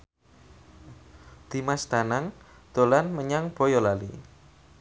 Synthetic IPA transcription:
d̪̥i̤mast̪anaŋd̪̥o̤lanməɲaŋb̥o̤jɔlalḭ

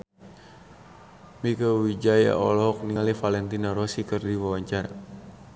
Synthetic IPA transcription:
mikawid͡ʒaja̰ʔɔ̰lɔɦɔk̚nialifalɛnt̪inaɾɔsikərdiwawaɲt͡ʃaɾa̰

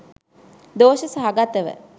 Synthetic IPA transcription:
d̪oːʃəsaɦaɡat̪ːəʋə̰

